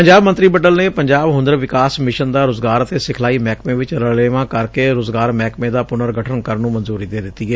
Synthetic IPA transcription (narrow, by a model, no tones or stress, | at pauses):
pəɲd͡ʒaːbmə̃nt̪ɾiːbəʈəlneːpəɲd͡ʒaːbɦʊ̃nd̪əɾʋɪkaːsmɪʃənd̪aːɾoːzɡaːɾət̪eːsɪkʰlaːiːmɛːkmẽːʋɪt͡ʃɾəleːʋãːkəɾkeːɾoːzɡaːɾmɛːkmẽːd̪aːpʊnəɾɡəʈʰənkəɾnũːmənzuːɾiːd̪eːd̪ɪt̪ːiːɛː